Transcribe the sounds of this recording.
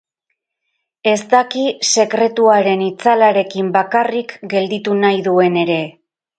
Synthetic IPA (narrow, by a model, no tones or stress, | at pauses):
e̞st̪akise̞kɾe̞t̪uaɾe̞nit͡salaɾe̞kimbakarikɡe̞ld̪it̪unajðue̞ne̞ɾe̞